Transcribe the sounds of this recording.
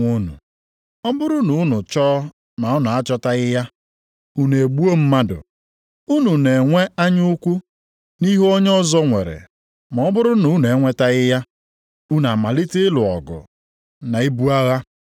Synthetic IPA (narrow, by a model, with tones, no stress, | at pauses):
u˦nṵ˨ | ɔ˦bʊ˦ɾʊ˦nʊ˨ʊ˦nʊ˨t͡ʃɔː˦ | na˨ʊ˦nʊ˨a˦t͡ʃɔ˦ta˦ɣɪ˦ja˦ | u˦n˨e˨ɡ͡bu˦o˦m̩˦ma˦dʊ̰˨ | u˦nu˨ne˨ŋʷe˦a˦ɲʊ˦kʷu˦ | ni˦ɦɔ˦ɲ˦ɔ˦zɔ˦ŋʷe˨ɾḛ˨ | ma˨ɔ˦bʊ˦ɾʊ˦nʊ˨˦n˨e˨˦ŋʷe˦ta˦ɣɪ˦ja˦ | u˦na˨ma˨li˦tɪ˦ɪ˦lʊ˨ɔ̰˨ɡʊ̰˨ | na˨i˦bu˦a˦ɣa˦